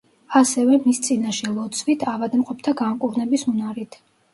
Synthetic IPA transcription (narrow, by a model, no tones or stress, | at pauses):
asɛvɛmist̪sʼinaʃɛlˠɔt̪sʰvit̪ʰavad̪mqʼɔp̚ʰt̪ʰaɡamkʼuɾnɛbisunaɾit̪ʰ